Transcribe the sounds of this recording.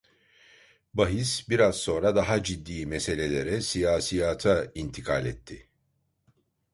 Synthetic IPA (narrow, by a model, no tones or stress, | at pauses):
baɦisbiɾazso̞ːnɾad̪aɦad͡ʒid̪ːiːmese̞lʲe̞lʲe̞ɾɛsijaːsijat̪ʰaint̪ʰikʰalʲɛt̪ʰːɪ